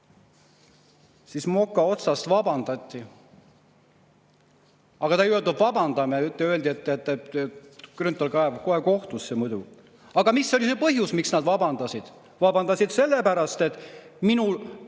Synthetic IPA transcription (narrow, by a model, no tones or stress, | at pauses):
sismo̞kːɑo̞t̪sɑst̪vɑbɑnd̪̥ɑt̪ʲˑːi | ɑɡ̥ɑt̪ɑjyøld̪ubvɑbɑnd̪̥ɑmeyt̪ːˑeøeld̪iet̪ːˑet̪ːet̪ekrynt̪ːˑolkɑevko̞he̞ko̞ht̪usːemud̪u | ɑɡ̥ɑmisːo̞lise̞pɤɦjusmiksnɑd̪vɑbɑnd̪ɑsid̪̥ | vɑbɑnd̪ɑsid̪̥se̞lːepæɾɑst̪e̞t̪ːˑminul